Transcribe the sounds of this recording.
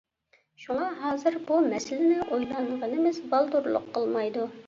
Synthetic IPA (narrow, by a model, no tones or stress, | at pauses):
ʃuŋɑɦɑːzɨɾbumɛsɪlɪnɪʔojlˠɑnʁənɪmɪzbɑlˠd̪uɾlˠʊ̰qʰːəlˠmɑjd̪u